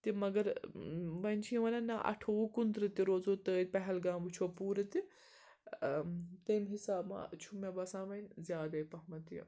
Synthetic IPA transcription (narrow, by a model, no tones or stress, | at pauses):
t̪imɐɡɐɾbɐnʲt͡ʃʰiʋɐnɐnaʔɐ̰ʈʰoːkunt̪ɾɨt̪iɾoːzoːt̪əːd̪ʲpɐɦɛlɡãːmbɨt͡ʃʰopuːɾɨt̪i | t̪ɐːmɦisaːbma̰t͡ʃʰumebɐsãːʋɐnzjaːd̪ɐjpɐɦmɐt̪ḭ